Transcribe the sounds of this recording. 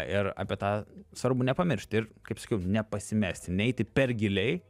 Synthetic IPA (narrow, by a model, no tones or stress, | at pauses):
ɪrɑ̰ːpʲiɛt̪ɑːsʋɐɾbʊnʲɛpɐmʲɪɾʲʃʲt̪ʲɪɾkɐɪpsɐ̥kʲɛʊnʲɛpɐsʲɪmʲæːsʲt̪ʲɪnʲɛɛɪt̪ʲɪpʲɛɾɡʲɪlʲɛɪ